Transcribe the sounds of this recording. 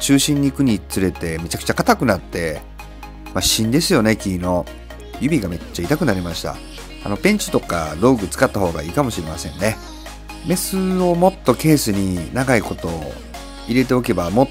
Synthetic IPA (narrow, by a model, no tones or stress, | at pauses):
t͡ɕɨːɕĩɲ̟ːikɯ̟ɲ̟it͡sɨɾe̞t̪e̞me̞t͡ɕakɯ̟̥t͡ɕakat̪akɯ̟nat̪ːe̞ | maɕĩnd̪e̞sɨjo̞ne̞kʲiːno̞ | jɯ̟bʲiɡame̞t͡ɕːait̪akɯnaɾʲimaɕi̥t̪a̰ | a̰no̞pẽ̞ɲ̟t͡ɕi̥t̪o̞ka̰ɾo̞ːɡɯ̟t͡sɨ̥kat̪ːaho̞ːɡa̰iːkamo̞ɕiɾe̞masẽ̞nne̞ | me̞sɨo̞mo̞t̪ːo̞ke̞ːsɨɲ̟inaɡaiko̞t̪o̞ː | iɾe̞t̪e̞o̞ke̞bamo̞